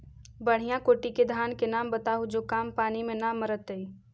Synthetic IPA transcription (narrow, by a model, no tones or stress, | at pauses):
bəɽ̤ijãkoːʈiked̪ʱaːnkenaːmbət̪aɦud͡ʒokaːmpaːnimenaməɾət̪əi